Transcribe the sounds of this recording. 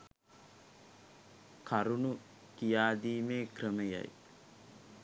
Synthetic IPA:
kʰaɾunu | kijaːd̪iːmeːkrəməja̰j

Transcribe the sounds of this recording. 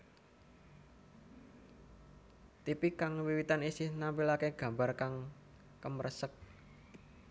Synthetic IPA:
t̪ipikaŋwiwit̪anisɪhnampilakeɡ̥ä̤mbarkaŋ | kəmɾʔəsək̚

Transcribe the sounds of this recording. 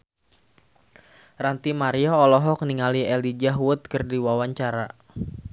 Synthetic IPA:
rant̪imaɾiɔːlɔɦɔk̚niŋaliɛlid͡ʒaɦwʊt̪̚kɨrdiwawaɲt͡ʃaɾa

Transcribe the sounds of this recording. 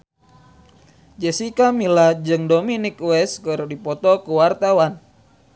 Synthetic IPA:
d͡ʒɛsikamilad͡ʒɨŋdominɪkuɛskɨrdipɔt̪ɔkuwart̪awan

